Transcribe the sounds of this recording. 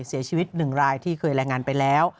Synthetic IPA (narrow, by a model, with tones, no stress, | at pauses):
si˩˦ɐt͡ɕʰiː˧wi˦˥t̪̚nɯ˨˩ŋɾaː˧jt̪ʰiː˥˩kʰɤː˧jɾɛː˧ŋaː˧npa˧jlɛː˦˥w